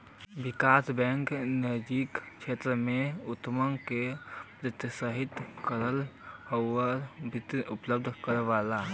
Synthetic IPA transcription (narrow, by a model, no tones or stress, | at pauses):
bɪkaːsbɛ̃ːŋknɐjd͡ʒikʃeːt̪ɾəmẽʊt̪ːəməŋkepɾət̪jəsəɦɪt̪kəɾəlhowəɾbɪt̪iʊpləb̚d̪ʱkəɾʋaːla